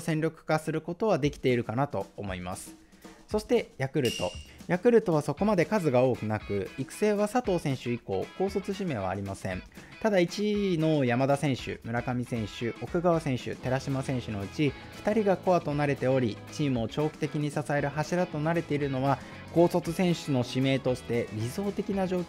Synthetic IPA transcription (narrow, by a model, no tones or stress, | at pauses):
sẽ̞nɾʲokɯ̟̥kasɨɾɯ̟ko̞t̪o̞βad̪e̞kʲi̥t̪e̞iɾɯ̟kanat̪o̞ːmo̞ima̰sɨ̥ | so̞ɕi̥t̪e̞jakɯ̟ɾɯ̟t̪o̞jakɯ̟ɾɯ̟t̪o̞βaso̞ko̞mad̪e̞kazɨɡao̞ːkɯ̟nakɯ̟ikɯ̟̥se̞ːβasat̪o̞ːsẽ̞ɰ̃ɕɨiko̞̰ːko̞ːso̞t͡sɨɕime̞ːβa̰ːɾʲimasẽ̞̰n | t̪ad̪ait͡ɕino̞jamad̪asẽ̞ɰ̃ɕɨ̰mɯ̟ɾakamʲisẽ̞ɰ̃ɕɨo̞kɯ̟ɡaβasẽ̞ɰ̃ɕɨ̰t̪e̞ɾaɕimasẽ̞ɰ̃ɕɨno̞ɯ̟t͡ɕi | ɸɯ̥t̪aɾʲiɡako̞at̪o̞naɾe̞t̪e̞o̞ɾʲit͡ɕiːmɯ̟o̞t͡ɕo̞ːkʲi̥t̪e̞kʲiɲ̟isasaeɾɯ̟ɦaɕiɾat̪o̞naɾe̞t̪e̞iɾɯ̟no̞βa | ko̞ːso̞t͡sɨsẽ̞ɰ̃ɕɨno̞ɕime̞ːt̪o̞ɕi̥t̪e̞bʲizo̞ːt̪e̞kʲinaʑo̞ːkʲ